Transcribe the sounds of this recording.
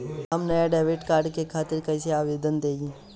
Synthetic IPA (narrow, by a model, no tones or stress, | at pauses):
ɦɐmnɐjaɖaːʋeːʈkaːɾɖkekʰaːt̪ɪɾkɐiseaːʋeːd̪ənd̪eːɡĩ